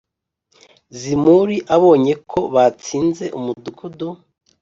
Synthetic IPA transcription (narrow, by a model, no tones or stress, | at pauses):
zimuɾiʔaβo̞ːɲe̞kʰo̞βat͡siːnze̞ʔumudukʰudu